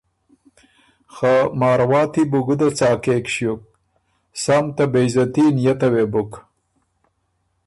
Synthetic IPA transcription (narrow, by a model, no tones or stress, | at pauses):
xamɑːɾwɑːt̪ibuɡud̪at͡sɑːkekʃjuk̚ | samt̪abejzɐt̪injɐt̪ɐwebuk